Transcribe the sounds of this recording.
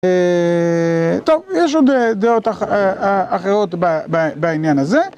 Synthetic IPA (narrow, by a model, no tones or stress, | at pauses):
e | t̪o̞vjeʃ̬od̪ed̪eot̪aχaaχeʁo̞t̪bababainjanaze